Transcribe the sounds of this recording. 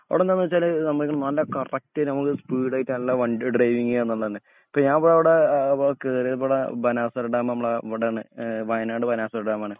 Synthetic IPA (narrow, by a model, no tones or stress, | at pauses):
ɐ̰ʋiɽend̪ɐnːiʋɐt͡ɕːaːlnɐmːɐkʲːɐɳɐmnɐlːɐkɐrɐk̚tɐɾnɐmukːɨspiːɽaːjtːɨnɐlːɐʋɐɳɖɨɖrɐjʋiŋːɐenːuɭːɐðɐnːɨ | i̥pːoːɲaːnɐpoɽeɐʋiɽekeːɾepoɽɐbɐnaːsɐɾɐɖaːmnɐmːɐɭɐʋiɽeːɳɨʋɐjnaːɖɨbɐnaːsɐɾɐɽaːmaːɳɨ